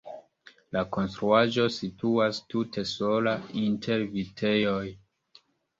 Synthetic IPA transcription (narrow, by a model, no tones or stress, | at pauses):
lako̞nstɾuaʒo̞situastutʰe̞so̞laintʰe̞ɾvitʰe̞joj